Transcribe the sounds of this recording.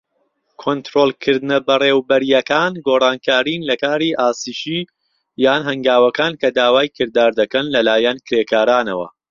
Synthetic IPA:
kʰont̪ɾoːlkʰɨɾd̪ɨnɐbɐreːwbɐɾijɐkaːnɡoːrˤɑːnkʰaːɾiːnlɐkaːɾiːʔaːsiːʃiː | jaːnɦɐŋɡaːwɐkaːnkɐd̪aːwaːjkʰɨɾd̪aːɾd̪ɐkɐnlɐlaːjɐnkʰɾeːkaːɾaːnɐwɐ̰

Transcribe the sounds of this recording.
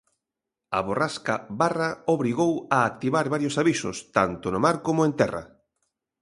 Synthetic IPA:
aβoraskaβaraoβɾiɣowaːk̚t̪iβaɾβaɾjosaβisʊ̰st̪a̰nt̪onomaɾkomoẽnt̪ɛra̰

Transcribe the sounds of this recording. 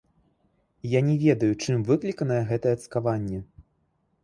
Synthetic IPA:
janʲɛvʲɛd̪ɐjut͡ʂɨmvɨklʲikɐnɐjɛɣɛt̪ɐjɛɐt̪skavanʲːɛ

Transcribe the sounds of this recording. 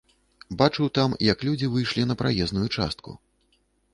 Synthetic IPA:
bat͡ʂɨwt̪amjɐklʲud͡zʲivɨjʂlʲinɐpɾajɛznujut͡ʂa̰st̪̚kṵ

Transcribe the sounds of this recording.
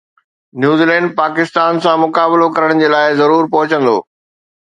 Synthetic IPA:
njuːziːlɛ̃ːɳɖ̚paːkɪst̪aːnsãmʊkaːbɪlokɐɾəɽ̃d͡ʑeːlaːɪzɐɾuːɾpɐɦʊt͡ɕə̃nd̪o̰ː

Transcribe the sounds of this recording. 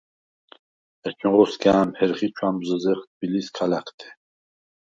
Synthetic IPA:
ɛt͡ʃʰʼĩʁɔsɡaːmhɛɾχit͡ʃʰwambzəzɛχt̪̚ʰbiliskʰalakʰt̪ʰɛ̥

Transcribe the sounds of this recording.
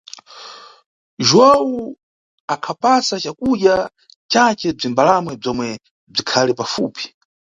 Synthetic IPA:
ʒuwau | akʰapasat͡ʃakuɗja | t͡ʃat͡ʃɛb͡ʐimbalamwɛb͡ʐɔmwɛ | b͡ʐikʰalipafṵːpi̥

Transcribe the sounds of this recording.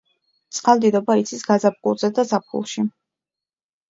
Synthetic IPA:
t̪sʼqʼalˠd̪id̪ɔbait̪sʰisɡazap̚ɡʼṵɾz̥ɛd̪azap̚χṵlˠʃi

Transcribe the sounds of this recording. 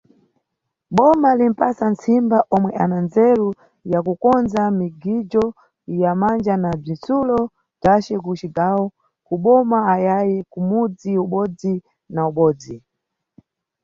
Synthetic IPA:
ɓɔmalim̩pasant͡sʰimbaʔɔmwɛʔanand͡zɛɾu | jakukɔnzamiɡid͡ʒɔ | jamand͡ʒanab͡ʐinsulɔ | tat͡ʃɛkut͡ʃiɡawɔ | kuɓɔmaːjajɛkumud͡ziuɓɔd͡zi | nauɓɔːd͡zi

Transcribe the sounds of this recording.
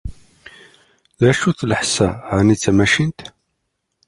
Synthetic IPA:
ðæʃuθləħsæʕanit͡sːæmæʃint̪

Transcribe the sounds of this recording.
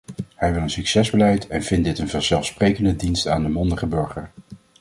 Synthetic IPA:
hɛjʋɪlˠənsyksɛzbəlɛjtɛnv̥ɪntdɪtənvəɹz̥ɛlˠfsprejkəndədinstaːndəmɔndəχəbɵɹχəɹ

